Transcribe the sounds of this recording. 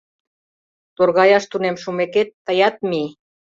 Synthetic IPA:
t̪orɣɑjɑʃt̪unemʃumeket̪ːəjɑt̪̚mi

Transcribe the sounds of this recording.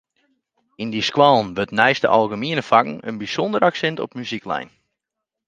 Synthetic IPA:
indiskwalˠnʋøtnɛjstə̰ʔalˠɡəmiənəfakŋ̩ə̰nbisɔndəɾaksɛntɔ̰pmyziklɛ̰jn

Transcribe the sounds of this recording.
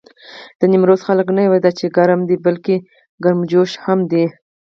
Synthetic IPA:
d̪̥ənimɾozxaləknajwad̪at͡ʃeɡaɾəmd̪ibalke | ɡaɾmd͡ʒoʃhamd̪i

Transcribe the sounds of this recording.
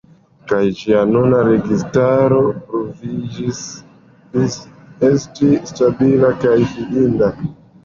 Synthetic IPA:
kajd͡ʒianunaɾe̞ɡistaɾo̞pɾovid͡ʒis | isestistabilakajfiʔinda

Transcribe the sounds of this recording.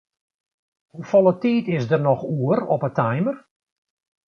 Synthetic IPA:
hufɔlˠətiːtɪsdərnɔxuəɾɔ̰pətʰɛjmər

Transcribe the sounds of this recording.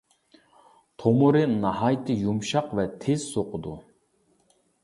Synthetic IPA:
t̪ʰomuɾɨnɑhɑjt̪ʰɨjumʃɑqvɛt̪ʰez̥soqʰʊd̪u

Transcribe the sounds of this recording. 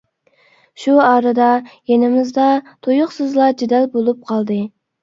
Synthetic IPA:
ʃuɑːɾɨd̪ɑjenɪmɪzd̪ɑt̪ʰojʊqsɨzlˠɑd͡ʒid̪ɛlbolˠup̚qʰɑlˠd̪ɨ

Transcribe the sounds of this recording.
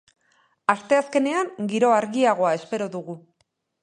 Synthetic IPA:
ast̪e̞aske̞ne̞aŋɡiɾo̞aɾɣiaɣ̞o̞ae̞spe̞ɾo̞ðuɣu

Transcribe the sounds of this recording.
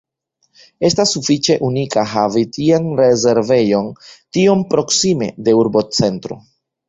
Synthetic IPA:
e̞stasːufit͡ʃe̞ʔunikaɦavitʰianɾeze̞ɾve̞jo̞ntio̞mpɾo̞ksime̞̰de̞uɾbo̞t͡se̞ntɾo̞̰

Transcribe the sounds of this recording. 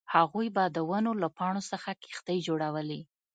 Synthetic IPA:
haɣujbɑd̪əwənolapɑɳ̃osəxaki̥xt̪əjd͡ʒoɽawəli

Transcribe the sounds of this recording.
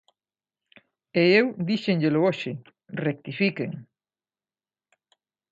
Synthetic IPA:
eewd̪iʃeŋʎelʊoʃɪ | rek̚t̪ifikeŋ

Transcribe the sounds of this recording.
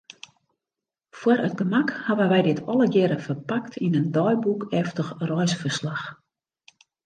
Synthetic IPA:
fwərət̚ɡəmakhaʋənʋɛjdɪtʰɔləɡɪɾəfərpaktʰinəndɔjbukɛftəxrɔjsfərslax

